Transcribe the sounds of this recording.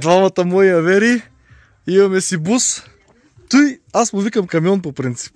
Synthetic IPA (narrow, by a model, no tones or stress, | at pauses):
d̪vamɐt̪əmɔiɐvɛɾi | imɐmɛsibus | t̪ujasmʊvikɐmkɐmiɔnp̬opɾint̪si̥p